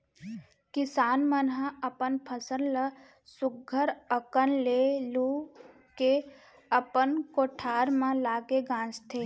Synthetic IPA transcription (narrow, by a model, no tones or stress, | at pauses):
kɪsaːnmənɦə̃əpənpʰəsənlə | sʊɡʱəɾəkənlelu | ke | əpənkoʈʰaːɾmãlaːɡeɡãːst̪ʰe